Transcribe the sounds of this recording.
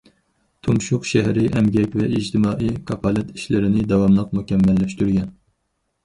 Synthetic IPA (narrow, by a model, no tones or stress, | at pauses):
t̪ʰumʃuqʃɛɦɾɪʔɛmɡʲɛkʲvɛid͡ʒt̪ʰɨmɑːʔijkʰɑpʰɑlˠɛt̪ʰi̥ʃlɪɾɪnɪd̪ɑwɑmlˠəq̚mukʲɛmːɛlːɛʃt̪yɾɡʲɛn